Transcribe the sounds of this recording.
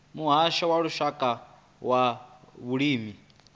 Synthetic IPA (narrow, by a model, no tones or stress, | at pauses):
muɦaʃawaɺuʃakʼa | waβuɺiːmi